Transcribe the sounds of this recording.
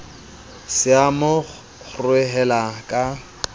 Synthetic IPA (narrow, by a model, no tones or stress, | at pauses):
sɪamʊ | χʊrwɪɦɛlakʼa